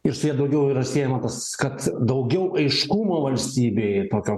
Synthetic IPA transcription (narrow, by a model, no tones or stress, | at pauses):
ɪɾsʊjiɛd̪ɐʊɡʲɛʊiːɾɐsʲeːjɛmɐt̪ɐs | kɐt̪d̪ɐʊɡʲɛʊʔɐɪʃkumoːʋɐlʲsʲt̪ʲiːbʲeːt̪oːkʲoː